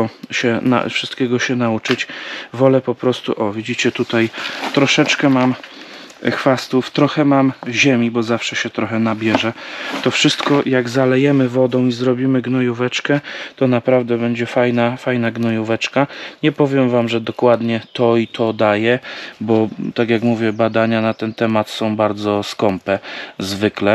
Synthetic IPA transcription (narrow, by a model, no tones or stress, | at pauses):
ɔɕɛna̰fʂɘst̪kʲɛɡɔɕɛnaut͡ʂɘt͡ɕvɔlɛpɔpɾɔst̪ṵʔɔvʲid͡ʑit͡ɕɛt̪ut̪ajt̪ɾɔʂɛt͡ʂkɛmam | xfast̪uft̪ɾɔxɛmamʑɛmʲibɔzafʂɛɕɛt̪ɾɔxɛnabʲjɛʐɛt̪ɔfʂɘst̪kɔjaɡzalɛjɛmɘvɔd̪ɔ̃w̃izɾɔbʲimɘɡnɔjuvɛt͡ʂkɛt̪ɔnapɾavd̪ɛbɛɲd͡ʑɛfajnafajnaɡnɔjuvɛt͡ʂkaɲɛpɔvʲjɛmvamʐɛd̪ɔkwad̪ɲɛt̪ɔit̪ʰɔd̪ajɛbɔt̪akʲjakmuvʲjɛbad̪aɲanat̪ɛnt̪ɛmat̪sɔ̃w̃baɾd̪zɔskɔmpɛzvɘklɛ